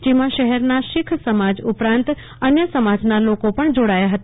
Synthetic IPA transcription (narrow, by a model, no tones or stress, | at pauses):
d͡ʒemãʃəɦɛɾnaʃɪkʰsəmad͡ʒʊpɾãnt̪ | ənjəsəmad͡ʒnalokopəɳd͡ʒoɽajaɦət̪a